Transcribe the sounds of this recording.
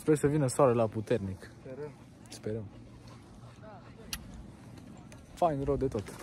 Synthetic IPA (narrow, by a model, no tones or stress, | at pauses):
spɛɾsəvinəsalelaput̪eɾnik | speɾəm | fajnɾod̪et̪ot̪